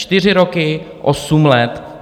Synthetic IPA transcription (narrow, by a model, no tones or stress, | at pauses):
t̪ɪr̝ɪɾokɪ | ʔosumlɛt̪